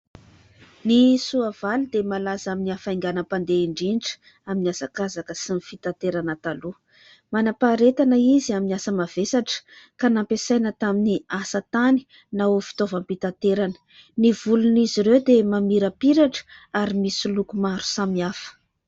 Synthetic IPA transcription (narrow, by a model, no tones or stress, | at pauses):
nisuavalud̪emalazaminiafajŋɡanəpand̪eiɳɖ͡ʐinʈ͡ʂ | aminiasakazakəsinifit̪at̪eɾanət̪alu | manapaɾet̪anəiziaminiasəmav̥esaʈ͡ʂə̥kanampesajnət̪aminiasət̪ani̥ | naofi̥t̪ovəmpit̪at̪eɾanə̥ | nivuluniziɾewd̪emamiɾəpiɾaʈ͡ʂə̥aɾimisulukumaɾu̥samiafə̥